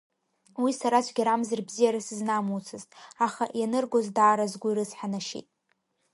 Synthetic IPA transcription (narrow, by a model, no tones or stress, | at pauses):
wisaɾat͡ʃʷʰɡʲaɾamzɨrbzijaɾasɨznamut͡sʰɨztʼaχaʔjanɨrɡozdaːɾazɡʷʊiɾɨzħanaʃḭtʼ